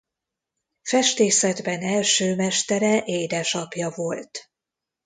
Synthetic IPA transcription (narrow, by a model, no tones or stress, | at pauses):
fɛʃt̪eːsɛd̪bɛnɛlʃøːmɛʃt̪ɛɾɛʔeːd̪ɛʃɒpjɒvo̞lt̪